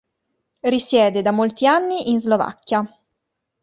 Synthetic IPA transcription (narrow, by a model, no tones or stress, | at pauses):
risjɛːd̪ed̪amolt̪ianːiʔinzlova̰kːja